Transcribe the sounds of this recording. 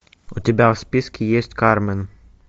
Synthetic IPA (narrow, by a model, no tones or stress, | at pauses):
ut̪ʲɪbʲæspʲiskʲɪjesʲtʲkaɾmɛn